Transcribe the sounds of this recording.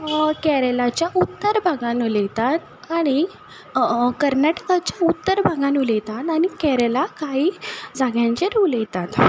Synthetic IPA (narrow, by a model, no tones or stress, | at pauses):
kɛɾelat͡ɕjaʔut̪ːəɾbʱaɡanulet̪at̪ | aɽ̃i | kəɾnaʈə̥kat͡ɕjaut̪ːəɾbʱaɡanulet̪at̪aɽ̃ikɛɾelakaɦiːd͡zaɡjãɲt͡ɕeɾulejt̪at̪